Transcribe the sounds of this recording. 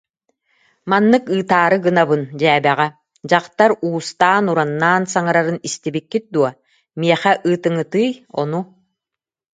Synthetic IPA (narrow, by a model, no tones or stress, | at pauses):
manːɯkɯːt̪aːɾɯɡɯnabɯnd͡ʑɛːbɛʁɛ | d͡ʑaqt̪aɾuːst̪aːnuɾanːaːnsaŋaɾaɾɯnist̪ibikːit̪̚d̪uɔ | miɛχɛʔɯːt̪ɯŋɯt̪ɯːjɔ̰nu